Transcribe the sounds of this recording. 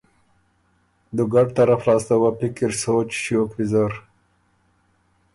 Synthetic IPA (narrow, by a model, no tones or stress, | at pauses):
d̪uɡaʈ̚t̪aɾaflɑːst̪awapikiɾsoːt͡ʃʃjoːkfizaɾ